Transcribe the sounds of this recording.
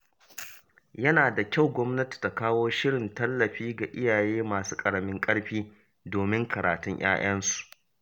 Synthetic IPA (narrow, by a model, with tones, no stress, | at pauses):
jɐ˦naː˨da˨kʲa˦˨wɡʷɔ˦mnɐ˦ti̥˨ta˨kaː˦woː˦ʃɪ˦ɽɪ˨ntɐ˦lːɐ˨ɸiː˦ɡa˨ʔɪ˦jaː˨jeː˦maː˨suː˦kʼɐ˨ɽɐ˨mɪ˦ŋkʼɐ˦ɽɸiː˦ | doː˨mɪ˦ŋkʰɐ˨ɾaː˨tʊ˦ɲj̰a̰ː˦ʔɐ˦nsu̥˨ʔ